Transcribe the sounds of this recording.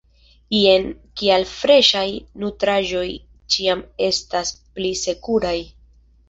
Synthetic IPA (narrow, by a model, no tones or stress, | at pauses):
kienkialfɾe̞ʃajnutɾaʒo̞j | t͡ʃiame̞stasplise̞kuɾaj